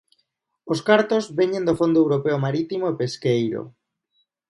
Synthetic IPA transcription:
oskaɾt̪ozβeɲend̪ofond̪oewɾopeomaɾit̪imoepeskejɾo̰

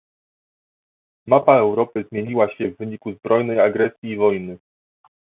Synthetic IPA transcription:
mapaɛwɾɔpɘzmʲjeɲiwaɕɛvːɘɲikuzbɾɔjnɛjaɡɾɛsʲjiːvɔjnɘ

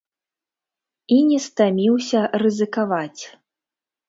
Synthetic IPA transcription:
inʲɛst̪amʲiwsʲɐrɨzɨkavat͡sʲ

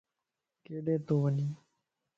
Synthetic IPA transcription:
keːɖeːt̪oːʋəniː

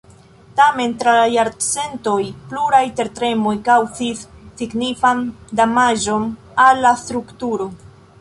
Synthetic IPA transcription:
tame̞ntɾalajaɾt͡se̞nto̞jpluɾajte̞ɾtɾe̞mo̞jkawzisːiɡnifandamaʒo̞n | alːast̪ɾuktuɾo̞

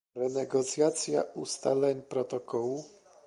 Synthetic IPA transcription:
ɾɛnɛɡɔt̪sʲjat̪sʲja̰ust̪a̰lɛɲpɾɔt̪ɔkɔwu

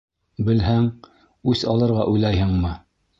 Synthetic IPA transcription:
bɘ̆lɦæŋ | ʉsɑlˠɤ̆ɾʁɑʔujlˠɑjɦɤɴmɤ

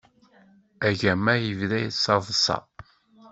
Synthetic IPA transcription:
æʝæmːæjəvðæjsɑvˤəsɑ̰

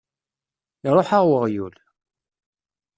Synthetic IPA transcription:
iɾˤoħaʁwəʁjul

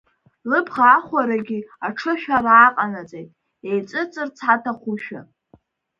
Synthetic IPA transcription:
lɨbʰʁaːχʷaɾaɡʲiaʈ͡ʂʰɨʃᶣaraːqʼanat͡sʼejtʼ | ejt͡sʼɨt͡sʼɨrt͡sʰħatʰaχʷuʃᶣa̰

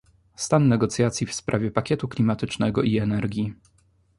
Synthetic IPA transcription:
st̪anːɛɡɔt̪sʲjat̪sʲjifspɾʔavʲjɛpakʲɛt̪uklʲimat̪ɘt͡ʂnɛɡɔʔiɛnɛɾɡʲi

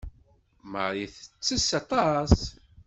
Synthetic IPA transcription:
mə̰ʁiθət͡sːəsɑt̪ˤɑs

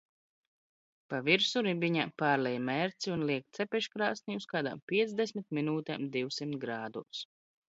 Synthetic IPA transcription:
paviɾsuɾibiɲapaːɾlɛjmɛɾt̪siunlˠiɛkt̪t̪sɛpɛʃkɾaːsnʲiuskaːd̪a̰mpʲiɛd̪zd̪ɛsmʲit̪̚minuːt̪ɛ̰md̪iwsimt̪ɡɾaːd̪us

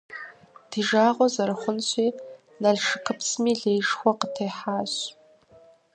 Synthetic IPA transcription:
d̥ʰiʒaːʁʷɔzɐɾɨχʷʊnɕʷʰiː | naɮʂɨkʰɨpʰsmiɮejʂxʷɔqətʰejħaːɕ

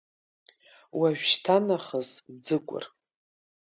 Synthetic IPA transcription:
waʒᶣʃtʰanaχəzd͡zɨkʷʼʊ̰r

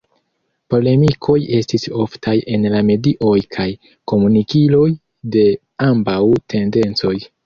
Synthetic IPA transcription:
po̞le̞mikʰo̞je̞stiso̞ftʰaje̞nlame̞diʔo̞jkʰaj | ko̞munikilo̞j | de̞ | ambawtʰe̞nde̞nt͡so̞j

